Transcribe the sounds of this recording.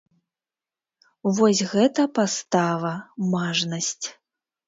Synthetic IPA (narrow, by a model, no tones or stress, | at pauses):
vɔsʲɣɛt̪ɐpast̪avɐmaʐnɐsʲt͡sʲ